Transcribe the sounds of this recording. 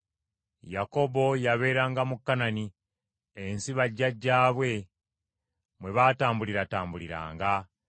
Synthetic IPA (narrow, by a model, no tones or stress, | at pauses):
jako̞bo̞jaβe̞ːɾaːŋɡamukːanani | ensiβaɟːaɟːaːβwe̞ | mwe̞βaːtaːmbuliɾataːmbuliɾa̰ːŋɡa